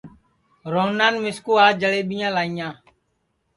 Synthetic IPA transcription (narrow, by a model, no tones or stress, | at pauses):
ɾonaːnmɪskuːaːd͡ʒəleːɓɪjãːlaːijãː